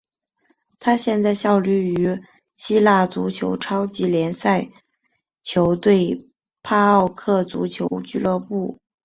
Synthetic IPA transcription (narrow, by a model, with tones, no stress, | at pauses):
t̪ʰa˥ɕjɛ˥˧nt͡sa˥˧ɪɕjɑ˥˧ʊly˥˩y˧˥ | ɕi˥la˥˩t͡su˧˥t͡ɕʰjo̰˧˥ʊʈ͡ʂʰɑ˥ʊt͡ɕi˧˥ljɛ˧˥nsa˥˩ɪ | t͡ɕʰjo˧˥ʊt̪we˥˩ɪ | pʰa˥ɑ˥˧ʊkʰɤ˥˩t͡sṵ˧˥t͡ɕʰjo˧˥ʊt͡ɕy˥˧lɤ˥˧pu˥˩